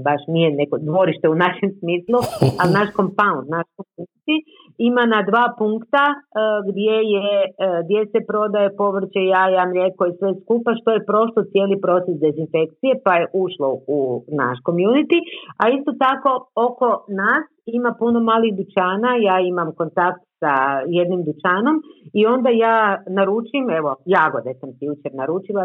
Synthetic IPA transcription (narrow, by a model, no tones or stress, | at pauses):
baʃnijenekod̪ʋo̞ɾiʃt̪e̞unaʃe̞msmiːslˠuanaʃko̞mpaund̪naʃkomjunit̪i | imanad̪ʋaːpuŋkt̪aɡd̪je̞jed̪je̞se̞pɾo̞d̪ajepo̞ʋr̩t͡ʃejaːjaːmiɾje̞kojesʋe̞skupaʃt̪o̞je̞pɾo̞ʃlot̪sje̞ːlipɾo̞t̪sesd̪e̞zinfe̞k̚t̪sije̞paje̞ʔuʃlo̞una̰ʃko̞mjunit̪iaist̪o̞t̪ako̞oko̞naːsimapuno̞maːliɣd̪ut͡ʃaːnajaːimamko̞nt̪akt̪saje̞d̪nimd̪ut͡ʃaːno̞mio̞nd̪ajaːnaɾut͡ʃime̞ʋojaɡod̪esamsijut͡ʃeɾnaɾuːt͡ʃilˠa